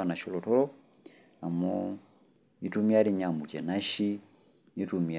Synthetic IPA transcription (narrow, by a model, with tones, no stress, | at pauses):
ana˨ʃɔlɔtɔ˦lɔ˦ | a˨mɔ | i˦tu˦mi˦a˦ɾi˦ɲa˨mu˨kɛ˨na˦ʃi˦ | i˦tumi˨